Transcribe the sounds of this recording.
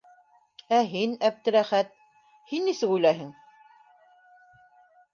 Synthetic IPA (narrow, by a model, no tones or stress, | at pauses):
æɦinæp̚t̪ɘ̆ɾæχæt̪̚ | hinːisɘkujlæɦɘŋ